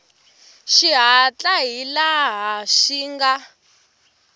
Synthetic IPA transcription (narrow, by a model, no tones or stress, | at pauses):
ʃiɦat͡ɬʼaɦilaɦaʃiːŋɡa